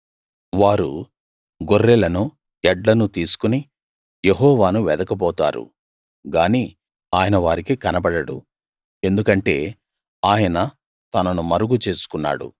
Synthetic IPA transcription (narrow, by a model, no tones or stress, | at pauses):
ʋaːɾṵ | ɡorːelɐnu | ɛɖlɐnut̪iːsu̥kuni | jeɦɔːʋaːnuʋɛd̪ɐkɐpɔːt̪a̰ːɾṵ | ɡaːni | aːjɐnɐʋaːɾikikɐnɐbɐɽɐɽṵ | e̞nd̪ukɐɳʈe̞̰ː | aːjɐnɐ | t̪ɐnɐnumɐɾuɡut͡ʃe̞ːsu̥kunːa̰ːɽṵ